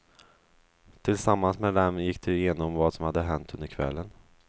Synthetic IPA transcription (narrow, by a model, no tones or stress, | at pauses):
t̪ʰɪlsamːansmɛd̪ɛmjɪkːd̪ɛjeːnɔmvaːd̪sɔmhad̪ːəɦɛnt̪ɵnd̪əɾkʰvɛ̰lːən